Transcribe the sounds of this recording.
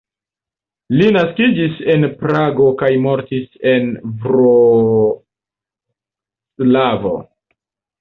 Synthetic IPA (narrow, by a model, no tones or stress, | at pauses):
linaskid͡ʒise̞npɾaɡo̞kajmo̞ɾtise̞nvɾo | slavo̰